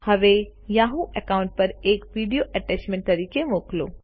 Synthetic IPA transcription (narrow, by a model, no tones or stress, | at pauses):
hɐʋe | jaːɦũʔekaːʊ̃ɳʈ̚pɐɾeːkʋiːɖijoʔɐʈɛːt͡ʃmẽɳʈ̚t̪ɐɾiːkemoːklo̰ː